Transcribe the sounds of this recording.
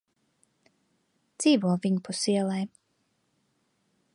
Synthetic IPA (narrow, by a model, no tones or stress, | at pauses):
d̪z̥iːvuɔviɲupusiɛlˠɛj